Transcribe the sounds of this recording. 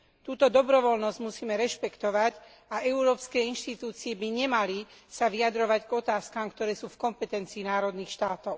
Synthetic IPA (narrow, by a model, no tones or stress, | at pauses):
t̪uːt̪ɔd̪ɔbɾɔʋɔlnɔzɟ̥musiːmɛɾɛʃpɛkt̪ɔʋac | aʔɛʊɾɔːpskɛːinʃt̪it̪uːt͡siɛbiɲɛmalisaʋiad̪ɾɔʋaɟɡɔt̪aːskamkt̪ɔɾɛːsuːfkɔmpɛt̪ɛnt͡siːnaːɾɔd̪niːxʃt̪aːt̪ɔʊ